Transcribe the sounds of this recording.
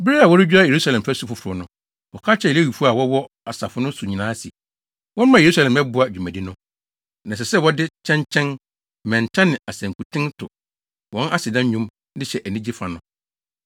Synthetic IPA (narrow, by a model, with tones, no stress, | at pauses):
bɪ˦ɾe˦a˨wɔ˦ɾɪ˦d͡ʑᶣu˦a˦je˨ɾu˦sa˦lɛ̃˨m˨fæ˦su˦fʊ˨fʊ˨ɾʊ˨˦nʊ̃˦ | wɔ˨kʰa˦t͡ɕʰɛ˦˨lwi˨fu˦a˨wɔ˦wɔ˦ | a˨sa˨fʊ˦nʊ̃˦su˨ɲĩ˨nãː˨˦si˨ | wɔ̃˦n˦mã˨je˨ɾu˦sa˦lɛ̃˨mɛ˦bʊ˦a˨d͡ʑᶣu˨mã˨di˦nʊ̃˦ | nã˨s̬ɛ˨sɛ˦˨wɔ˦dɪ˦t͡ɕʰɛ̃˦ɲt͡ɕʰɛ̃˦n | mɛ̃˨n˨tʰã˦nɪ̃˨a˨sɛ̃˨ŋ˨kʰu˨tʰɪ̃˦ntʰʊ̰˨ | wɔ̃˨˦nʔa˦sɪ˨dã˦ɲ˦ɲũ˦m | dɪ˦ɕɛ˨ʔæ˨nĩ˦d͡ʑi˦fa˨nʊ̃˦